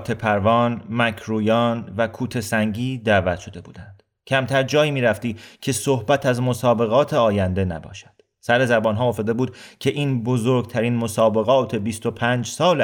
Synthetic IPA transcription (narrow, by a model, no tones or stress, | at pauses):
t̪ʰe̞pʰæɾvɒːnmækʰɾuːjɒːnvækʰuːt̪ʰe̞sæŋɟiːd̪æːvæt̪ʰʃo̞d̪e̞bṵːd̪ænd̪̥ | cʰæmt̪ʰæɾd͡ʒɒːjiːmiːɾæft̪iːcʰe̞sohbæt̪ʰæzmosɒːbe̞ɣɒːt̪ʰe̞ɒːjænd̪e̞næ̰bɒ̰ːʃæ̥d̥ | sæɾe̞zæbɒːnɦɒːofed̪ebuːd̪̥cʰe̞ʔiːnbozoɾɡt̪ʰæɾiːnmosɒːbe̞ɣɒːt̪ʰe̞bist̪opʰæːnd͡ʒsɒːl